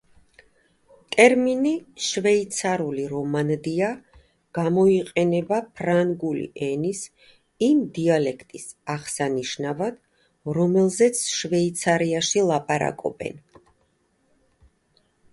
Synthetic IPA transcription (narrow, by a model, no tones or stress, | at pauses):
t̪ʼɛɾminiʃvɛit̪sʰaɾuliɾɔmand̪ia | ɡ̥amɔiqʼɛnɛbapʰɾaŋɡulḭʔɛnis | imd̪ialɛkʰt̪ʼisaʁsaniʃnavad̪̥ | ɾɔmɛlˠzɛt̪sʰʃvɛit̪sʰaɾiaʃilˠapʼaɾa̰kʼɔ̰bɛ̰n